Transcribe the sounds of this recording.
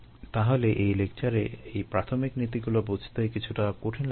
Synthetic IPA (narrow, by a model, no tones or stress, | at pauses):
t̪aɦoleʔejlek̚t͡ɕaɾeejpɾat̪ʰomiknit̪̬iɡulobod͡ʑʱt̪ejkit͡ɕʰuʈakoʈʰin